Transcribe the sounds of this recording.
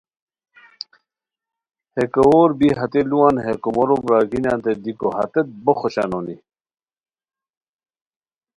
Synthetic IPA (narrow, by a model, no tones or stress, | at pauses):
hekɐoːɾbiɦɐt̪eluwanɦekomoɾomɾaːɡinant̪ed̪ikohɐ̰t̪et̪̚boxoɕa̰noni